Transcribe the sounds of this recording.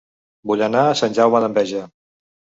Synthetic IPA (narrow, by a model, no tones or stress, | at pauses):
buʎənaːsanʲʒawməðəmbɛʒə